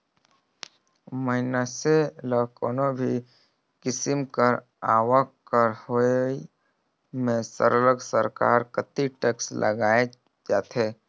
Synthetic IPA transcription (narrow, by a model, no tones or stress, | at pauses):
məɦɪnaseləkoːnobʱi | kɪsɪmkəɾ | aːwəkkəɾhoi | mẽsə̰ɾələɡsəɾka̰ːɾkət̪iʈekslʔə̰ɡaːe | d͡ʒaːt̪eː